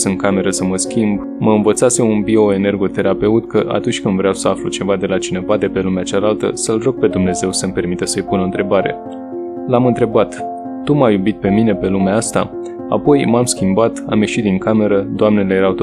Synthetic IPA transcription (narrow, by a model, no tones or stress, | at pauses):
sɨŋkame̞ɾəsəməskʲimb | məɨnvət̪sase̞unbio̞e̞ne̞rɡo̞t̪e̞ɾape̞ut̪kəʔa̰t̪unt͡ʃʲkɨnd̪vɾeawsəaflut͡ʃe̞vad̪e̞lat͡ʃine̞vad̪e̞pe̞lumeat͡ʃalalt̪ə̰səlro̞ɡ̚pe̞d̪umne̞ze̞wsəmpe̞rmit̪əsəjpunont̪ɾe̞baɾe̞̰ | lamɨnt̪ɾe̞bat̪ː | umajubit̪̚pe̞mine̞pe̞lumeaast̪a̰ | a̰po̞jmamskʲimbat̪a̰mje̞ʃit̪̚d̪iŋkame̞ɾəd̪oamne̞lejeɾawt̪